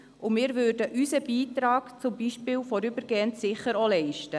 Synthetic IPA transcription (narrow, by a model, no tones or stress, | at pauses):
ʊmɪːɾvøːɾdəʔysəb̥iːtɾɑːɡt͡sʊmbiʃpɪːwfɔɾybəɾɡ̥eːəntsɪχəɾolɛɪʃtə